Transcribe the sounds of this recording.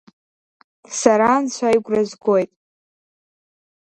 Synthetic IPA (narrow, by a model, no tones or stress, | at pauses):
saɾant͡ɕʷʰajɡʷʼrazɡojtʼ